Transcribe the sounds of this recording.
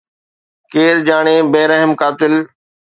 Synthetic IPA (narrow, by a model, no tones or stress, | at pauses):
keːɾd͡ʑaːɽ̃eːbeːɾəɦɪmkaːt̪ɪl